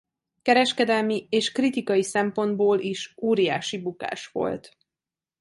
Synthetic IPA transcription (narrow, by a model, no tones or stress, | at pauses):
kɛɾɛʃkɛd̪ɛlmieːʃkrit̪ikɒjisɛmpo̞nd̪boːlʔiʃoːɾija̰ːʃibuka̰ːʃʋo̞̰lt̪